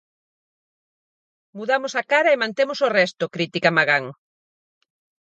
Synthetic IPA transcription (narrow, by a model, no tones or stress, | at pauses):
muðamʊsakaɾɐemãnt̪emosorɛst̪ʊkɾit̪ikamaɣaŋ